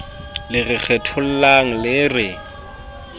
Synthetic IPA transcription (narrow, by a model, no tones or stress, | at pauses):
lɪrɪk͡xʰɛtʰʊl̩laŋ̩lɪrɪ